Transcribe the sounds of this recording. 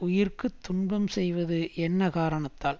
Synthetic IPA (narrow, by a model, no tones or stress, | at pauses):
ʊjɪɾkɯt̪ːʊɳbɐmsɛjʋɐðɯʔɛnːɐkaːɾɐɳɐt̪ːaːl